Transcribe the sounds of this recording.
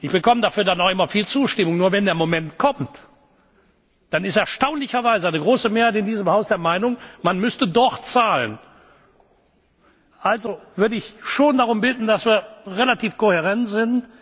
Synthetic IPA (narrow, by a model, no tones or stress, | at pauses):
ʔɪçb̥əkʰɔmədafyːɐdanaʊxʔɪmɐfiːlt͡suːʃtɪmʊŋnuːɐvɛndeːɐmomɛntkʰɔmt | d̥anɪstɛɐʃtaʊnlɪçɐvaɪzəaniɡʁoːsəmeːɐhaɪtɪndiːzəmhaʊsd̥eːɐmaɪnʊŋmanmʏstədɔχtt͡saːlə̰n | ʔalzovʏɐdəɪçʃoːndaʁʊmbɪtn̩dasv̥iːɐʁelatiːfkohɛʁɛntz̥ɪnt